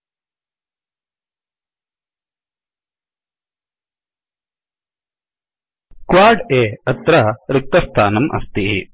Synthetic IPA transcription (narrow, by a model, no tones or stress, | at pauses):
kʋaːɾɖeːɐt̪ɾɐɾɪk̚t̪ɐst̪ʰa̰ːnɐmʔɐ̰st̪iɦi